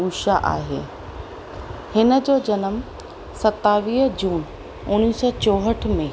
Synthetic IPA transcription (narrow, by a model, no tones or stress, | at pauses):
uːʃaʔa̰ːɦḛː | hɪnə̆d͡ʑoːd͡ʑɐnəm | sɐt̪aʋiːɦd͡ʑuːn | ʊñiːsɔt͡ɕoːɦəʈ̆ʰmẽ